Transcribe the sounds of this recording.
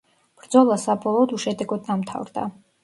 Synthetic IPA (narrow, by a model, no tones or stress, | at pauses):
b̥ɾd̪zɔlˠasabɔlˠɔːd̪uʃɛd̪ɛɡɔd̪̚namt̪ʰa̰vɾd̪a̰